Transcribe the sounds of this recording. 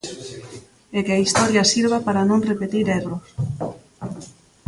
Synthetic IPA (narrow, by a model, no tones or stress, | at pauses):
ekeaist̪ɔɾjasiɾβapaɾanõŋrepet̪iɾeβɾos